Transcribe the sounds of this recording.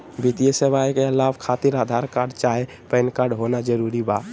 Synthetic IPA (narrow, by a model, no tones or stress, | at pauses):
bit̪ijəsəʋaːjkelaːʋkʰaːt̪ɪɾaːd̪ʱaːɾkaːɾɖt͡ʃaːɦe | pɛːnkaːɾɖɦoːnad͡ʒəɾuːɾibaːt̪